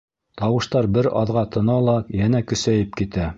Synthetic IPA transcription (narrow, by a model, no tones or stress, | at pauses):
t̪ɑwɤ̆ʃt̪ɑɾbɘɾɑ̰ðʁɑt̪ʰɤ̆nɑlˠɑjænækɵ̆sæjɘpkit̪æ